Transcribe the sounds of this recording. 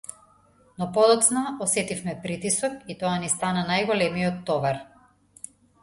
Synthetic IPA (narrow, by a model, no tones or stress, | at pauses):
nɔpɔd̪ɔt̪snaɔsɛt̪ifmɛpɾit̪isɔkit̪ɔanist̪ananajɡɔlɛmijɔt̪ːɔvaɾ